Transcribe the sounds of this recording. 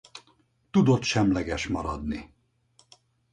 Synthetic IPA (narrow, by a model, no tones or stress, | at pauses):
t̪ud̪o̞t̪ʃɛmlɛɡɛʃmɒɾɒd̪ni